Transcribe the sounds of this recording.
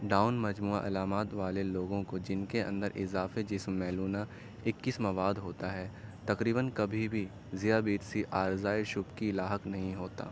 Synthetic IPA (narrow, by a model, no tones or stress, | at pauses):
ɖaːʊnmɐd͡ʒmuːa̰ʔɐlaːmaːt̪ʋaːleloːɡõkod͡ʒɪnkeɐ̰̃nd̪əɾʔɪ̰zaːfed͡ʒɪsmɛːluːna | ɪkːɪsmɐʋaːd̪ɦoːt̪aɦɛːt̪ɐkɾiːbənkɐbʱibʱi | zijabiːɾsiʔaːɾzaːɪʃʊbkiɪlaːɦəknɐɦĩɦoːt̪a̰ː